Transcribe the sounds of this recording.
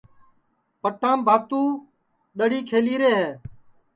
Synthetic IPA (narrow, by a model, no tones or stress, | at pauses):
pəʈːãːmbʱaːt̪ũː | ɗ̪əɽiːkʰeːliːɾeːɦɛː